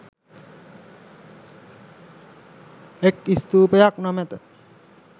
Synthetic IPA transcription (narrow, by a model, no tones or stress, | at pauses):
ekist̪uːpəjaknɔmɛt̪ə